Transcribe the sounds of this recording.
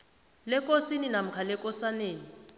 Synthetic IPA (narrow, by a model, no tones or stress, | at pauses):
lɛk̬ʼosininam̩kʰalɛkʼɔsaneːni